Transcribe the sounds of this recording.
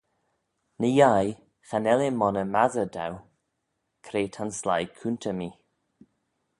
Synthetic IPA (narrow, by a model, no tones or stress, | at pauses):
nəjaj | xanɛlemɔnəmazəda̰w | kʰɾeːtʰanslajkʰuntʰəmiː